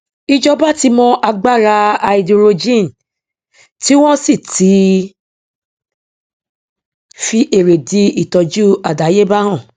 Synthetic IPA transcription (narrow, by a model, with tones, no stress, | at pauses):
i˧d͡ʒɔ˧ba˦ti˧mɔ̃˧ʔa˧ɡ͡ba˦˨ɾa˧a˧i˨du˧ɾo˧d͡ʒĩ˦˨n̩˨ | ti˦w̃ɔ̃˦si˦˨ti˨˦ | fi˧ʔe˨ɾe˨di˨˧˦i˦˨tɔ˨d͡ʒu˦a˨da˨˦je˦ba˦ɾ̃ɔ̃˦˨